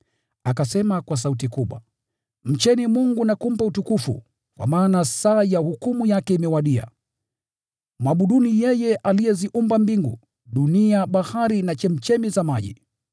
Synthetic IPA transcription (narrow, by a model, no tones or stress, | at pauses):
akasɛmakwas̬autikuɓwa̰ | m̩t͡ʃɛnimuŋɡunakum̩pautukufṵ | kwa̰maːnasaːjahukumujakɛimɛwaɗia̰ | mwaɓuɗunijɛjɛʔalijɛziʔumbambiŋɡu | ɗuniaɓahaɾinat͡ʃɛm̩t͡ʃɛmizamaʄḭ